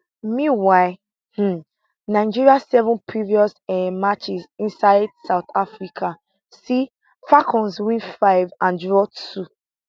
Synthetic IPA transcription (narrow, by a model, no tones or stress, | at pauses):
mĩwaɪ | h̩ | naɪd͡ʒiɹiasɛvɔ̃npʰɹiviɔsɛmat͡ʃisĩnsaɪdsaʊt̪afɹikʰa | si | fakʰɔ̃nswĩnfaɪvãnd͡ʒɹɔtʰu